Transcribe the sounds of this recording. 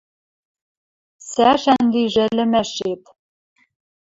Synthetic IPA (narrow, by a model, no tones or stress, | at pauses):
sæʃænliʒɘ̆lɘ̆mæʃet̪